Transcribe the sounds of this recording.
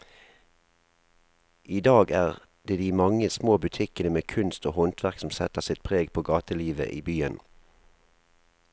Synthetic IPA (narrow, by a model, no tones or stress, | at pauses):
ʔiːd̪ɑːɡæːʁ | d̪eːd̪iːmɑŋəsmoːbʉt̪ʰɪkənəmeːkʰʉnst̪oːhɔnt̪ʰʋæʁksɔm̩sɛt̪əʁsɪt̪̚pʰʁeːɡpʰoːɡɑːt̪əliːʋə̰ʔḭːbyːən